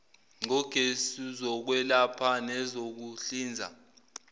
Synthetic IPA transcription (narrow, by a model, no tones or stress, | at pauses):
ŋ͡ǀɔɡ̥ʱesizɔk̬wɛlapʰanɛzok̬uɬiːnd͡zʱa̰